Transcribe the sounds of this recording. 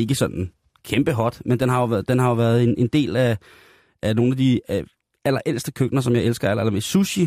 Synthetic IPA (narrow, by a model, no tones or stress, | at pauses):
e̝ɡ̥əsɒ̽d̥n̩ | kʰemb̥əɦɒ̽d̥mend̥enɦɑ̈joʋd̥enɦɑ̈joʋæːɐð̞̩ˠe̝nʔe̝nd̥e̝̰ːlæ | ʔæno̝ːnæd̥i | ʔælɐʔel̰sd̥əkʰøɡ̥̚nɐs̬ɒ̽mjɑ̈ɪelsɡ̥ɐælɐelɐme̝suɕi